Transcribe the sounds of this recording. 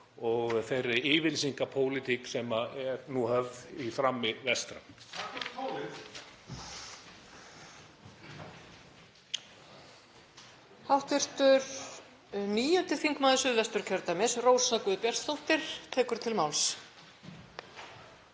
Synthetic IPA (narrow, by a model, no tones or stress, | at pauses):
ɔɣθejrːɪɪːvɪlsiŋkapʰoːwlɪt̪ʰiksɛmaɛɾnuhœvðifɾamːɪvɛst̪ɾa̰ | aɪ | hawht̪ɪr̥t̪ʏɾ̥ | niːjʏnt̪ɪθiŋkmaːðʏsʏðvɛst̪ʏɾ̥cʰœɾt̪amɛsroːwsakʏðʏpjɛr̥t̪θowht̪ɪɾ̥t̪ʰɛːkʏɾ̥t̪ʰɪlmawls